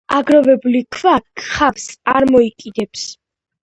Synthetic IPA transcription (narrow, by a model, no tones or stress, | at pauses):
aɡɾɔvɛbulikʰvakʰχavsaɾmɔikʼid̪ɛps